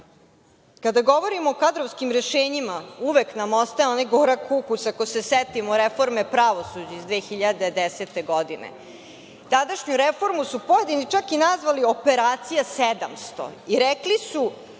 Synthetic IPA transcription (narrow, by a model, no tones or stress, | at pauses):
kad̪aɡo̞ʋo̞ɾimoːkad̪ɾoʋskimɾeʃeːɲimauʋeknamost̪aonajɡoɾakʰukusakoseset̪imoɾefo̞ɾmepɾaʋo̞sud͡ʑaizd̪ʋeːxiʎad̪ed̪eset̪eɡo̞d̪inḛ | t̪ad̪aʃɲuɾefo̞ɾmusupo̞je̞d̪init͡ʂakinazʋalio̞peɾaːt̪sijased̪amst̪o̰iɾeklisu